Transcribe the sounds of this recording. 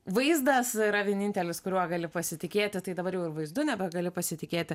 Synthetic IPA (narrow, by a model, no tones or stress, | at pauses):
ʋɐɪzd̪ɐsiɾɐʋʲiɛnʲiːnʲt̪ʲɛlʲɪskʊɾʲuɔɡɐlʲɪpɐsʲɪt̪ʲɪkʲeːt̪ʲɪt̪ɐɪd̪ɐbɐɾjɛʊɪʋɐɪzd̪ʊnʲɛbʲɛɡɐlʲɪpɐsʲɪt̪ʲɪkʲeːt̪ʲɪ